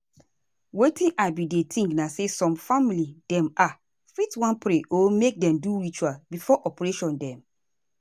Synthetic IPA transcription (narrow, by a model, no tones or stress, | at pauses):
wetĩnʔabidetʰĩŋknasesɔ̃mfamilid̥ɛ̃ma | fitwãnpɾeʔomek̚dɛ̃mduɹit͡ʃwabifɔʔɔpɹeʃɔ̃ndɛ̃m